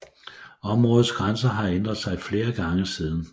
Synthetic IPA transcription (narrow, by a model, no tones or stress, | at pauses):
ɒ̽mʁɔ̽ːð̩ˠsɡ̥ʁansɐɦɑ̈end̥ʁɐðˠsɑ̈ɪfle̝ːɐɡ̥ɑ̈ŋəsiːðˠn̩